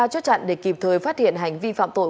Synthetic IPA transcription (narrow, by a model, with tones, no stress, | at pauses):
a˧˩t͡ɕɔ˦˥t͡ɕa̰˧˨ŋɗe˧ki˨˩p̚t̪ʰəː˨˩jfaː˦˥t̚hḭ˧˨ənɦa˨˩jŋ̟vḭ˧fa̰ː˧˨mt̪o̰˧˨j